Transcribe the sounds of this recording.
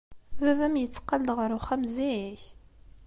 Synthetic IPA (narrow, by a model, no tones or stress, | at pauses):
vævæmjət͡sːə̥qːɑld̪ʁəɾuχæmziiç